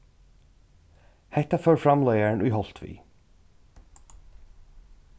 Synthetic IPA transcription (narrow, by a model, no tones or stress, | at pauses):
hɛt̪aføːɹfɹɑmleɪəɳʉːhɔlt̪ʰʋḭː